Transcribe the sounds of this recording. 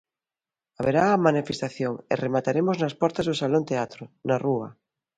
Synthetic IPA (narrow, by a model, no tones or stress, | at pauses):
aβeɾaːmanifest̪aθjoŋḛremat̪aɾemoznaspɔɾt̪azðosalont̪eat̪ɾʊnarua